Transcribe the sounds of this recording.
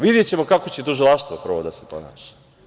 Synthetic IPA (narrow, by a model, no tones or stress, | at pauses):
ʋid̪jet͡ɕe̞mo̞kakot͡ɕe̞t̪uʒilˠaʃt̪ʋopr̩ʋod̪asepo̰na̰ːʃḁ